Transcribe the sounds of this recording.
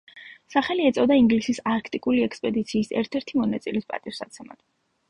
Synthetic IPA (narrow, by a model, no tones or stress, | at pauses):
saχɛliɛt̪sʼɔd̪aiŋɡlisisaɾkʰt̪ʼikʼuliɛkspʼɛd̪it̪sʰiːsɛ̰ɾt̪ʰɛɾt̪ʰimɔnat̪sʼilispʼa̰t̪ʼiɾsa̰t̪sʰɛma̰d̪̥